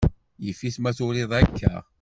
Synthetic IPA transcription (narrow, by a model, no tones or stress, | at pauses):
jəfːismæθʊlɪðˤækʰːæ̰